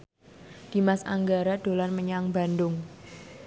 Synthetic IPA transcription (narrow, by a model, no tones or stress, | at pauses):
d̥i̤masa̰ŋɡaɾad̥o̤lanməɲaŋba̤ndʊŋ